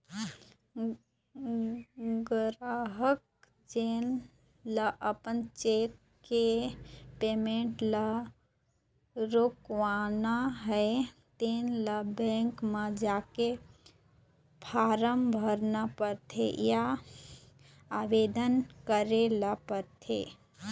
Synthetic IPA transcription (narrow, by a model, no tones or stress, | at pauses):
ɡəɾaɦək̚ | t͡ʃeːn | ləʔəpənt͡ʃeːk | kepeːmẽɳʈlə | ɾokʋaːnaɦɛet̪eːnləbɛ̃ːŋkmad͡ʒaːke | pʰaːɾəmbʱəɾnapəɾt̪ʰḛja | aːʋeːd̪ənkəɾelapəɾt̪ʰḛ